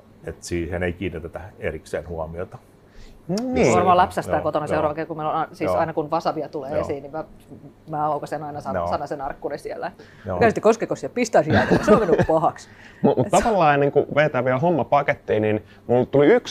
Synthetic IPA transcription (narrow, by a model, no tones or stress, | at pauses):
et̪siːheneikiːnːit̪æt̪æḛriksḛːnhuɑmiot̪ɑ | nniːʋɑrmɑːlɑpsæsæːkot̪onɑseurɑʋɑkekumeilonɑsiːsɑ̰inɑkunʋɑsɑʋiɑt̪uleːesiːnnimæmæːɑukɑsenɑinɑsɑsɑnːɑsenɑrkːunesielːæ | kæyset̪ːekoskekosiɑpist̪ɑisiɑikɑiseomenːykpɑhɑks | mumut̪t̪ɑʋɑlːɑːenːiŋkuʋeːt̪æːʋiælɦomːɑpɑket̪ːiːnin | mult̪uliyks